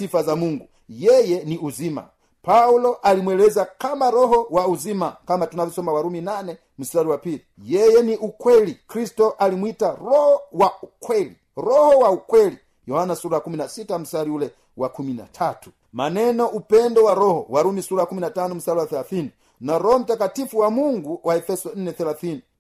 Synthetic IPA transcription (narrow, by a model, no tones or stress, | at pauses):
sifazamuŋɡu | jɛjɛniuzima̰ | paulɔʔalimwɛlɛzakamaɾɔɦɔwauzimakamatunavjɔsɔmawaɾuminanɛ | m̩saɾiwapilijɛjɛniʔukwɛlikɾistɔʔalimwitaɾɔhɔwaukwɛli | ɾɔhɔwaukwɛli | jɔhanasuɾakuminasitam̩saɾiulɛ | wakumina̰tʰatu̥ | manɛnɔʔupɛndɔwaɾɔhɔwaɾumisuɾakuminatanɔm̩saɾiwaθɛlaθini | naɾɔhɔm̩takatifuwamuŋɡuwaɛfɛsɔn̩nɛθɛlaθini